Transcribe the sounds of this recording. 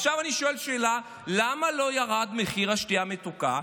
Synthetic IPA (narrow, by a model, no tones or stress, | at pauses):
ʃavaniʃoe̞lʃeːla | lamalo̞jaʁad̪meχiʁhaʃtiamet̪uka̰